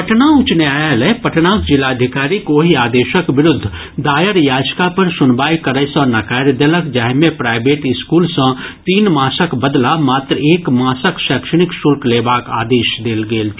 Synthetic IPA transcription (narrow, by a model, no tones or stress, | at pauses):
pəʈnaʊt͡ʃneaːjelɛpəʈnaːkd͡ʒɪlːaːəd̪ʱɪkaːɾikoːɦiaːd̪eːʃəkbɪɾʊd̪ʱː | d̪aːjəɾjaːd͡ʒkapəɾsʊnbaːikəɾəsɔ̃ːnɐkɛːɾd̪eləkd͡ʒɛːɦmẽpɾaːɪbeːʈɪskuːlsə̃t̪iːnmaːsəkbəd̪lamaːt̪ɾeːkmaːsəkʃɛːkʃəɽ̃ɪksʊlkleːbaːka̰ːd̪eːʃd̪eːlɡeːl